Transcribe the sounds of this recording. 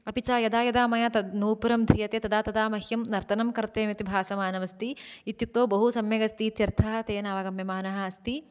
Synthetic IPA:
ɐpit͡ʃaːjɐd̪aːjɐd̪aːmɐjaːt̪ɐnuːpɐɾɐmd̪ʱɾijɐt̪eːt̪ɐd̪aːt̪ɐd̪aːmɐhjɐmnɐɾt̪ʰɐnɐmkɐɾt̪eːmit̪ibʱaːsɐmaːnɐʋɐst̪iit̪juk̚t̪oːbɐɦusɐmjɐɡɐst̪iːt̪jɐɾt̪ʰɐɦɐ̆t̪eːnaːʋaːɡɐmjɐmaːnɐɦɐ̆ɐst̪i

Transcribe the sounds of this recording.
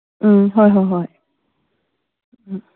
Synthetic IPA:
ʔ̩ɦɔjɦɔjɦɔj

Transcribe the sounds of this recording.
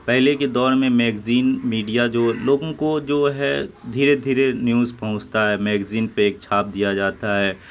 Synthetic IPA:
pɛɦleked̪ɔːɾmẽmɛːɡziːnmiːɖijad͡ʒoːloːɡõkod͡ʒoːɦɛd̪ʱiːɾed̪ʱiːɾenjuːzpɐɦʊ̃t͡ʃt̪aɦɛːmɛːɡziːnpeeːk̚t͡ʃʰaːp̚d̪ijad͡ʒaːt̪aɦɛː

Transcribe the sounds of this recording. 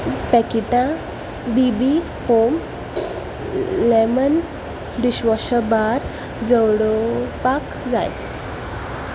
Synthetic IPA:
pɛkiʈã | bibi | hom | lemən | d̪iɕʋəɕəbaɾ | d͡zəwɽopak | d͡za̰j

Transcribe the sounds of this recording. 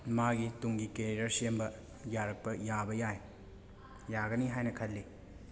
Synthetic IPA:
maɡituŋɡikeɾidɐɾsiembɐ | jaɾɐk̚pɐjabɐjaj | jaɡɐniɦajnɐkʰɐlːi

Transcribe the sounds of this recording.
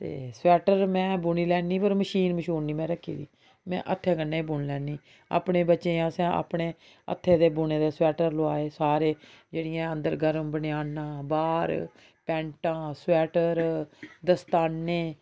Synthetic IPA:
t̪ḛːswɛːʈəɾmɛ̃ːbʊɳiːlɛːniːpəɾməʃiːnməʃuːnniːmɛ̃ːɾəkʰːḭːd̪ḭː | mɛ̰̃ːʔət̪ʰːeːkənːeːbʊɳlɛːnːiː | a̰ːpɳeːbətːʃeːãːsɛ̃ːʔa̰ːpɽeː | ə̰t̪ʰːeːd̪eːbʊɳeːd̪eːswɛːʈəɾloaːeːsaːɾeːd͡ʒeːɽɪjãːənd̪əɾɡəɾəmbənɪjaːnãːbaːɾ | pɛ̃ːɳʈãːswɛːʈəɾd̪əst̪aːnːeː

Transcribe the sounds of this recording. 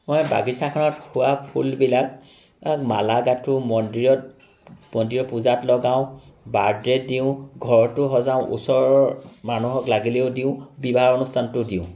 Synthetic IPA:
mojba̰ɡisakʰɔnɔthʊwapʰulbilak̚ | malaɡatʊmɔndiɔ | mɔndiɹɔpuzatlɔɡaʊ̃ | baɹdɹɛdiʊ̃ɡʱɔɹɔtʊɦɔzaʊ̃ʔṵsɔɹɔmanuɦɔklaɡileʊdiʊ̃bibaɦaɹɔnustʰantʊdiʊ̃

